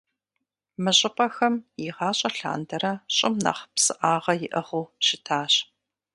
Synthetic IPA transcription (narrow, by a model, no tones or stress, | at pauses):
mɨɕʼɪpʼɐxɐmjiʁɑːɕʼɐɬa̰ːndɐɾɐɕʼɪmnɐ̰χpsɨʔaːʁɐjɪʔɐʁuːɕɪtʰaːɕ